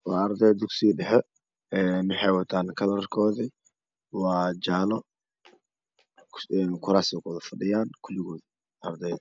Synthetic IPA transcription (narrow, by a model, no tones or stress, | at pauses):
wɑːɐɾd̪ɛjd̪ʊksiɖɛħɛ | ɛnʊħɛːwɐt̪ʰaːnkʰɐlɐrkʰɔːði | wɑːd͡ʒaːlɔ | ɛnkʰʊɾaːsɪkʰɔːðɐfɐɖɪjaːnkʰʊlɪɣɔːði | ʔɐrd̪ɛj